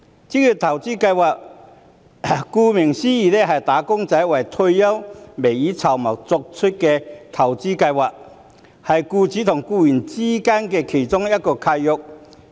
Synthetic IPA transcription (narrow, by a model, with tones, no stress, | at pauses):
t͡si˧˥ky˨˧˩t̪ʰɐ˨˩wt͡siː˥kɐ˧jwaː˨k̚ | kuː˧mɪ˨˩ŋsiː˥jiː˨˩lɛ˥ɦɐ˨jt̪aː˨˥kʊ˥ŋt͡sɐ˨˥jwɐ˨jt̪ʰɵ˧jjɐ˥wme˨˩jiː˨˥t͡sʰɐ˨˩wmɐ˨˩k̚t͡sʊ˧k̚t͡ʃʰɵ˥t̚kɛ˧t̪ʰɐ˨˩wt͡si˥kɐ˧jwaː˨k̚ | hɐ˨jkuː˧t͡si˨˥t̪ʰʊ˨˩ŋkuː˧jy˨˩nt͡siː˥kaː˥nkɛ˧kʰe˨˩jt͡sʊ˥ŋjɐ˥t̚kɔː˧kʰa˧jjʊ˧k̚